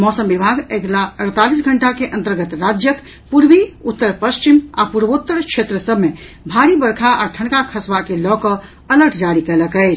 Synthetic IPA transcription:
mɔsəmbibʱaɡeɡlaəɾt̪alisɡʱəɳʈakeʔə̃nt̪əɾɡət̪ɾad͡ʒjək | puɾʋiut̪ːəɾpəst͡ʃima̰puɾbot̪ːəɾkʃʰet̪ɾəsəbʱme | bʱaɾibəɾkʰaʔaʈʰəɳkakʰəsʋakelɔkə | ələɾʈʰd͡ʒaɾikɛləkɛɪt͡ʃʰ

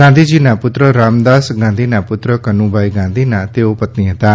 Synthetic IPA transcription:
ãnd̪ʱid͡ʒiːnãpʊt̪ɾəɾaːmd̪aːsɡãːnd̪ʱiːnãpʊt̪ɾəkənũːbaːiɡãːnd̪ʱiːnãt̪eːopət̪niɦət̪aː

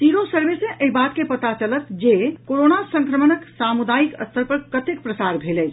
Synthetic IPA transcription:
t̪iɾõsəɾbesẽʔəɦibat̪kepət̪at͡ʃələt̪d͡ʒekoɾonasə̃ŋkɾəmənəksamud̪ajikə̰st̪ʰəɾpəɾkət̪ekpɾəsaɾbʱelət͡ʃʰ

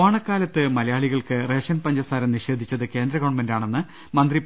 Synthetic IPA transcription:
aːɳɐkːaːlɐt̪ːɨmɐlɐjaːɭiɣɐɭkɨre̞ːʂjɐnpɐɲd͡ʑɐsaːɾɐmniʂe̞ːd̪ʱit͡ɕːɐðɨke̞ːnd̪ɾɐɣo̞ːɳmendaːɳe̞nːɨ | mɐnd̪rip

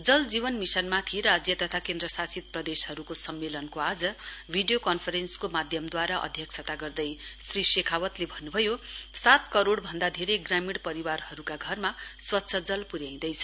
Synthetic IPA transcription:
d͡zʌld͡zibʌnmisʌnmat̪ʰiɾad͡zjʌt̪ʌt̪ʰakend̪rʌsasit̪̚prʌd̪eshʌɾukosʌmːelʌnkoad͡zʌbʱiɖijokʌnpʰʌɾenskomad̪ʱjʌmd̪waɾaʔʌ̰d̪ʱjʌksʰʌt̪aɡʌrd̪ʌjsrisekʰawʌt̪lebʱʌnːubʱʌjosat̪kʌɾoɽbʱʌnd̪ad̪ʱeɾejɡramiɽpʌɾiwarhʌɾukaɡʱʌrmaswʌtːsʰʌd͡zʌlpuɾjaĩd̪ʌjt͡sʰʌ̥

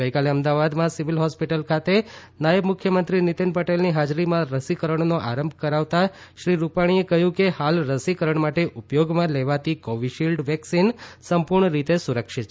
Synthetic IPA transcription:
ɡəjkaleəmd̪aʋad̪mãsiʋilɦɔspiʈəlkʰat̪enajəbmʊkʰjəmənt̪ɾinit̪inpəʈelniɦad͡ʒɾimãɾəsikəɾəɳ̃noʔaɾəmbʱkəɾaʋt̪a | ʃɾiɾupaɽ̃iekəɦjũkehalɾəsikəɾəɳmaʈeʔʊpjoɡmãleʋat̪ikɔʋiʃilɖʋɛksinsəmpuɾɳəɾit̪esuɾəkʃit̪

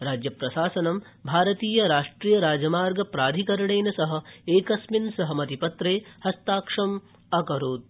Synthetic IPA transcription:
ɾaːd͡ʒjɐpɾɐʃaːsɐnɐm | bʱaːɾɐt̪iːjɐɾaːʂʈɾiːjɐɾaːd͡ʒɐmaːɾɡɐpɾaːd̪ʱikɐɾɐɳejnɐsɐɦɐ̆eːkɐsminsɐɦɐmɐt̪ipɐt̪ɾeːhɐst̪aːkʂɐm | ɐkɐɾoːd̪̚

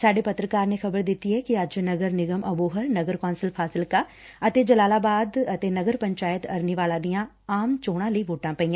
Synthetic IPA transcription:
saːɖeːpət̪ɾəkaːɾneːxʰəbəɾd̪ɪt̪ːiːɛːkɪəd͡ʒnəɡəɾnɪɡəməboːɦəɾnəɡəɾkɔːnsəlpʰaːsɪlkaː | ət̪eːd͡ʒəlaːlaːbaːd̪ət̪eːnəɡəɾpəɲt͡ʃaːjɪt̪əɾniʋaːlãːd̪ijãː | aːmt͡ʃoːɽ̃ãːləiːʋoːʈãːpəiːã

